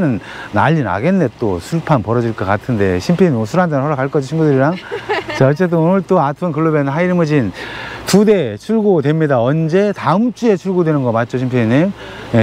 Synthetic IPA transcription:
nɯnː | a̰ʎːina̰ɡe̞nːe̞t͈osʰuɭpʰanpʌɾʌd͡ʑiɭk͈ʌk͈atʰɯnde̞ɕʰimpʰeɲiimosʰuɾandenɯnsʰɦʌɾakaɭk͈ʌd͡ʑiɕʰimbudɯɾiɾaŋt͡ɕaʌt͡ɕ͈e̞t̬͈ɯnonɯɭt͈oatʰɯnkɯɭːubenɦaiɾmɯd͡ʑintude̞t͡ɕʰuɭɡodwe̞mɲidaʌnd͡ʑe̞taɯmt͡ɕ͈ue̞t͡ɕʰuɭɡodwenɯnɡʌmat̚t͡ɕ͈oɕʰimpʰeɲiɲi | je

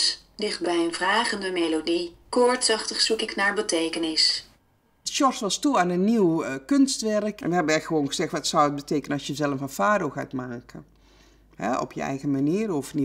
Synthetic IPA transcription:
sdɪχt̚bɛjənvraːχəndəmejlodikɔɹtsɑχtəχsukɪknaːɹbətejkənɪs | dəʃɔrsʋɑstuanənːiwkønstʋɛrkɛ̰nʋəɦɛbənɛxəʋoːnɣəzɛxtʋɔtsɔwət̚bəteːkənənɑsjəzɛlˠəfənfaːdoɣa̰tmaːkʰə | hɛ̰ɔ̰pjə̰ɛ̰jɣəmaniəɾofni

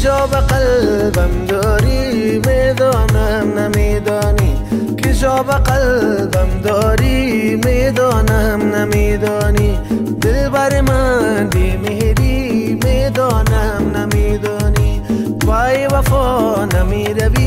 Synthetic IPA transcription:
d͡ʒɔːbɐqɐlbɐmd̪ɔːɾimed̪ɔːnamnɐmeːd̪ɔːni | kɪd͡ʒɔːbɐqɐlbɐmd̪ɔːɾimed̪ɔːnɐmnɐmeːd̪ɔːni | d̪ɪlbaɾemanbemeɾimed̪ɔnɐmnɐmed̪ɔːni | baːjeʋɐfɔː | nɐmeɾɐbi

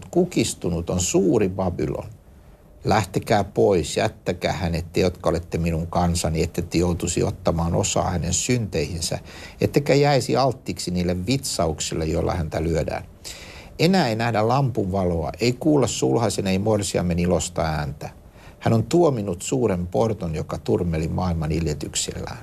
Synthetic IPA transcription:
t̪kukist̪unut̪onsuːribɑbḭlo̰n | læht̪ekæːpoisjæ̰t̪ːækæ̰ːhænet̪ːejot̪kɑolet̪ːeminuŋkɑnsɑniet̪ːet̪ːejout̪usḭot̪ːɑmɑːno̰sɑ̰ːhænensynt̪eihinsæ̰ | et̪ːekæjæisiɑlt̪ːiksiniːlːeʋʋit̪sɑuksilːejoilːɑ̰hænt̪ælyødæ̰ːn | enæːeinæhdællɑmpunʋɑloɑ̰ʔeikuːlːɑssulhɑseneimorsiɑ̰mːenilost̪ɑæːnt̪æ | hænont̪uominut̪suːɾemport̪onjokɑt̪urmelimʔɑːilmɑniljet̪yksḭlːæ̰ːn

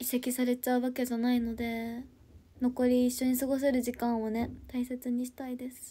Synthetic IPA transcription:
ise̞kʲisaɾe̞t͡ɕaɯβake̞d͡ʑanaino̞d̪e̞ | no̞ko̞ɾʲiːɕːo̞ɲ̟isɨɡo̞s̬e̞ɾɯ̟ʑikãɰ̃o̞ne̞t̪aise̞t͡sɨɲ̟iɕi̥t̪aid̪e̞sɨ̥

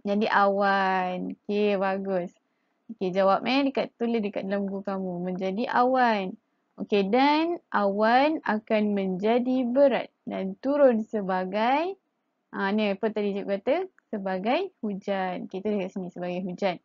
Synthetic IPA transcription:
məɲd͡ʒadiʔawanokebaɡʊs | oked͡ʒawap̚ɛdəkat̪t̪ːulədəka̰t̪̚dalamɡukamumə̃ɲd͡ʒadiʔa̰wan | okedanʔawanakanmə̃ɲd͡ʒadibəɾa̰t̪̚dant̪uɾʊnsəbaɡaj | ʔãnəpət̪adid͡ʒuʔ̚kat̪əsəbaɡajhud͡ʒanoket̪udəkat̪̚sinĩsəbaɡajɦud͡ʒan̚

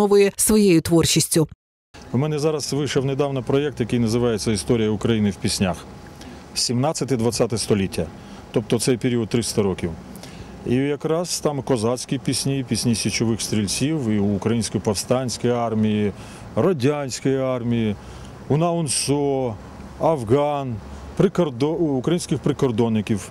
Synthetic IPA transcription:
ɔʋʊjɛsʋɔjejʊt̪ʋɔrt͡ʃisʲtʲʊ | wmɛnɛzɑɾɐsʋɪjʃɐwned̪ɑwnɐpɾɔjɛk̚t̪jɐkɪjnɐzɪʋɑjet͡sʲːɐist̪ɔɾʲijɐʊkɾɐjinɪwpʲisʲnʲax | sʲimnɑsʲɐt̪ɪd̪ʋɐt̪sʲat̪ɛst̪ɔlʲitʲːɐ | t̪ɔp̚t̪ɔt̪sɛjpʲeɾʲiɔd̪̚t̪ːɾɪst̪ɐɾɔkʲiw | ijɐkɾɑst̪ɑmkɔzɑsʲkʲipʲisʲnʲijipʲisʲnʲisʲit͡ʃɔʋɪxst̪ʲɾʲilʲt͡sʲiwiːkɾɐjinʲsʲkɔjpɐwst̪ɑnʲsʲkɔjɑrmʲiji | rɔdʲanʲsʲkɔjiɑrmʲiji | unɐʊnsɔ | ɐwɣɑn | pɾɪkrd̪ɔukɾɐjinsʲkɪxpɾɪkɔrd̪ɔnːɪkʲiw

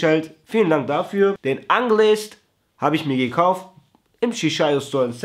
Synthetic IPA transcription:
ɛltfiːləndaŋk̚d̥afyːɐd̥ɛnʔanɡəlɛːst | haːbəɪçmiːɐɡəkʰaʊft | ʔɪmʃiʃaɪostɔɐɪns

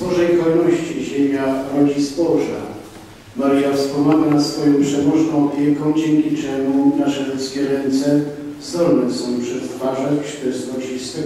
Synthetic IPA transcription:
bɔʐɛjkɔnɔɕt͡ɕiʑemʲjaɾɔd͡ʑisbɔʐa̰ | maɾɨjaspɔmaɡanat̪sfɔjɔ̃w̃pʂɛmɔʐnɔ̃w̃ɔpʲjɛkɔ̃w̃d͡ʑɛŋkʲit͡ʂɛmunaʂɛlut̪skʲɛɾɛnt̪sɛ | zɔɾnɛsɔ̃w̃pʂɛt̪t̪faʐɛxʂt̪ɪzɡɔt͡ɕist̪ɛ

